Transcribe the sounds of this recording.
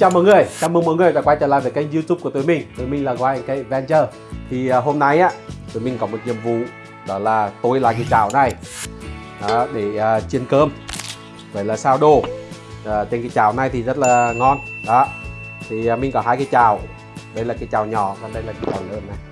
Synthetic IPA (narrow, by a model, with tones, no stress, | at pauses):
t͡ɕaː˧˩mɔ̰˧˨˦ŋɨ˨˩əjt͡ɕaː˧wmɨ˧ŋmɔ̰˧˨˦ŋ˨˩əjɗaː˧˦kwa˧jt͡ɕəː˧˩la̰ː˧˨jvəː˨˩kːŋzi˧tʊ˦p̚ku˧˩t̪o˨˦jmï˨˩ŋ̟t̪o˨˦jmï˨˩ŋlaː˨˩ɣɔ˧˩ja˧˦kaː˨˦jvɛ˧nt͡ɕəː˧˩ | t̪ʰi˨˩˨ɦo˧mna˧jʔaː˧˦t̪o˨˦jmï˨˩ŋ̟kɔ˨˦mo˨˩t̚ɲḭ˧˨əmvṵ˧˨ | ɗɔ˨˦laː˨˩t̪o˧jlaː˨˩kaː˨˦jt͡ɕaː˧˩wna˨˩j | ɗɔ˨˦ɗe˧˩əː˨˩t͡ɕi˧ənkəː˧m | ɣəː˧˦jlaː˨˩saː˧wɗoː˨˩˨ | t͡ɕe˧nkaː˨˦jt͡ɕaː˧˩wna˨˧˩jt̪ʰi˨˩zə˦˥t̚laː˨˩ŋɔ˧nɗɔ˨˦t̪ʰi˨˩˨mï˨ŋ̟kɔ˨˦ɦaː˧jkaː˨˦jt͡ɕaː˨˩w | ɗə˧jlaː˨˩kaː˨˦jt͡ɕaː˨˩wɲɔ˧˩˦kɔ˨˩nɗə˧jlaː˨˩ka˨˦t͡ɕaː˨˩wlə̰˧˨əna˨˩j